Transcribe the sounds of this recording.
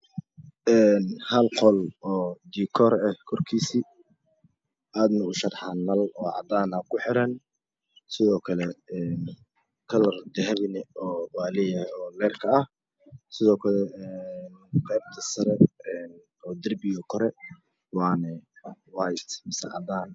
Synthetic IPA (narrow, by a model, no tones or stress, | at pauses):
ʔɛːnhɐlqɔlɔːd̪iːkʰɔɾɛhkʰɔrkʰiːsi | ʔaːd̪nɐɣʊʃɐrħɑnɐlɔːʕɑ̰d̪aːnɐkʰʊħɪɾɐn | sɪðɔːkʰɐlɛɛn | kʰɐlɐrd̪ɛɦɐβɪnɛɔːwaːlɛjɐɔːlɛːrkʰɐɐh | sɪðɔːkʰɐlɛɛːnqɛjb̚t̪ʰɐsɐɾɛɛn | ɔːd̪ɐrbɪjɔkʰɔɾɛ | wɑːnɛwajt̪mɪsɛ̰ʕɑ̰d̪aːn